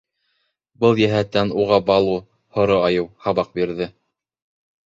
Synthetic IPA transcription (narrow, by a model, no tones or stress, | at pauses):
bɤlˠjæɦæt̪ːænuʁɑbɑlˠu | hŏɾoɑjɤwhɑβɑq̚biɾðɘ